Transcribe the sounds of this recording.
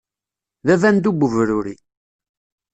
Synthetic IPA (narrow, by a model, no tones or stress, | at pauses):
ðævænd̪uɡʷəvɾuɾḭ